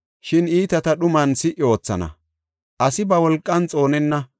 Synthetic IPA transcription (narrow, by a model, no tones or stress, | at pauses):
ʃɪniːt̪ɐt̪ɐɗʊmɐnsɪʔːɪo̞ːt͡sːɐ̰nɐ̰ | ʔɐsɪbɐwɔlkʼːɐnt͡sʼo̞ːnɛnːɐ